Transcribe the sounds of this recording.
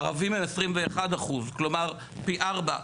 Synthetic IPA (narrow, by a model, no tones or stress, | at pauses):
ʁavimemesʁimveːχad̪aχuzklo̞maʁ | piʔaʁba̰